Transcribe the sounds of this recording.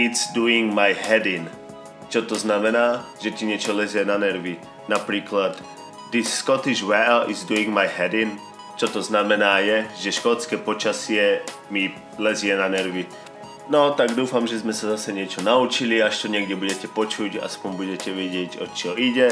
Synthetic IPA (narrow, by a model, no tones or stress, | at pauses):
it̪sd̪uiŋɡmajɦɛd̪in | t͡ʃɔt̪ɔznamɛnaːʒɛt̪iɲɛt͡ʃɔlɛzɪɛnanɛɾʋi | napɾiːklad̪ | d̪isːkɔt̪iʃwɛlizd̪uiŋɡmajɦɛd̪in | t͡ʃɔt̪ɔznamɛnaːjɛʒɛʃkɔt͡skɛːpɔt͡ʃasɪɛ | mi | lɛzɪɛnanɛɾʋi | nɔt̪aɡd̪uːfamʒɛzmɛsazasɛɲɪɛt͡ʃɔnaut͡ʃiliaʃt̪ɔɲɪɛɡɟɛbuɟɛcɛpɔt͡ʃuɟa̰spɔɲbuɟɛcɛʋjɛɟɪɛɟɔ̰t͡ʃɔiɟɛ